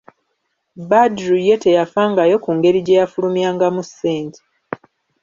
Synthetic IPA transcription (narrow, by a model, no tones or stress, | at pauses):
badɾuje̞te̞jafaːŋɡajo̞kuːŋɡe̞ɾiɟe̞jafulumjaːŋɡamusːeːnti̥